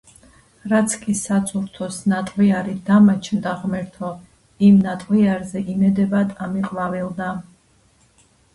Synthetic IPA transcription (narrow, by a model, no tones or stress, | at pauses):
ɾat̪sʰkʼisat̪sʰʼuɾt̪ʰɔsnat̪ʼwiaɾid̪amat͡ʃʰnd̪aʁmɛɾt̪ʰɔ | imnat̪ʼwiaɾzɛʔimɛd̪ɛbad̪ʰamiqʼvavilˠd̪a